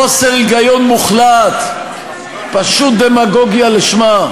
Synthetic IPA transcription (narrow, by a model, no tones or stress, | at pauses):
oseʁiɡajo̞nmuχlat̪ | paʃut̪̚d̪emaɡo̞ɡjaliʃma